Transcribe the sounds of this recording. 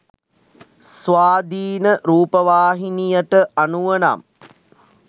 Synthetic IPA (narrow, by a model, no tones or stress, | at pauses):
sʋaːd̪iːnəɾuːpəʋaːɦinijəʈəʔanuʋəna̰m